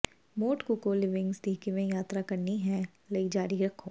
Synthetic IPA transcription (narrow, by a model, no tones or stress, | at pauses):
moːʈkukolɪʋɪ̃ŋɡsd̪iːkimẽjaːt̪ɾakɐɾniɦɛ̃ | lɐid͡ʒaːɾiɾɐkʰoː